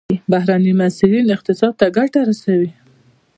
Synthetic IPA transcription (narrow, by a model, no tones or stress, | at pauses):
bahɾanimasɪlinɪq̚t̪ɪsɑd̪̚t̪aɡaʈaɾasawi